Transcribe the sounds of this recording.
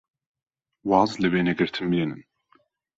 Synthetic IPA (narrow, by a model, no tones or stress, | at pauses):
wɑːzlɨbeːnɛɡɨɾt̪ʰɨnbjenɨn